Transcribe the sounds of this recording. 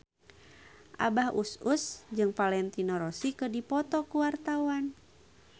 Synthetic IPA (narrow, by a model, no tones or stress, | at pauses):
ʔa̰bahʔususd͡ʒɨŋpalɛnt̪inɔɾɔsikədipɔt̪ɔkuwart̪awan